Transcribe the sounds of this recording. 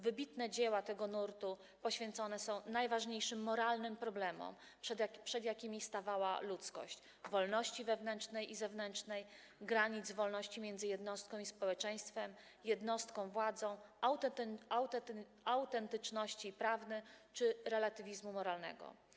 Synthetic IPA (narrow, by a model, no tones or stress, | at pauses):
vɘbʲit̪nɛd͡ʑewat̪ɛɡɔnuɾt̪u | pɔɕfʲjɛnt̪sɔnɛsɔ̃w̃najvaʐɲejʂɘmːɔɾalnɘmpɾɔblɛmɔ̰m | ʂapʂɛd̪ʲjakʲimʲist̪avawa̰lut̪skɔ̰ɕt͡ɕ | vɔlnɔɕt͡ɕivɛvnɛnt͡ʂnɛjʔizɛvnɛnt͡ʂnɛj | ɡɾaɲid̪zvɔlnɔɕt͡ɕimʲjɛnd̪zɘjɛd̪nɔst̪̚kɔ̃w̃ispɔwɛt͡ʂɛj̃st̪fɛm | jɛd̪nɔst̪kɔ̃w̃vwad̪zɔ̃w̃awt̪awt̪ | awt̪ɛnt̪ɘt͡ʂnɔɕt͡ɕipɾavnɘt͡ʂɘɾɛlat̪ɘvʲizmumɔɾalnɛ̰ɡɔ̰